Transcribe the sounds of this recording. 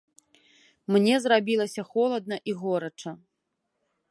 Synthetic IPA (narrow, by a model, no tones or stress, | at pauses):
mnʲɛzrabʲilˠɐsʲɐxɔlˠɐd̪nɐʔiɣɔɾɐt͡ʂɐ